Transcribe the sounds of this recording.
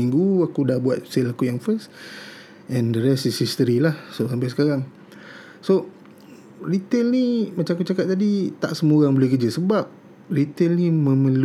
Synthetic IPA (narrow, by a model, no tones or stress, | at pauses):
iŋɡuakudahbuat̪̚selakujaŋfəs | ʔɛ̃ndəɾɛsisist̪əɾilahsosampajsə̥kaɾaŋ | so | rit̪elnimat͡ʃamakut͡ʃakat̚t̪adit̪a̰ʔsəmuɾaŋbəlekəd͡ʒəsəbap̚ | rit̪elnimə̃məl